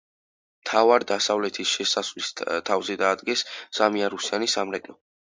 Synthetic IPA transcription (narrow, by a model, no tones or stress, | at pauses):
mt̪ʰavaɾd̪asavlɛt̪ʰisʃɛsasvlist̪ʰavzɛd̪aːd̪ɡɛsːamiaɾusianisamɾɛt̪ʼɔ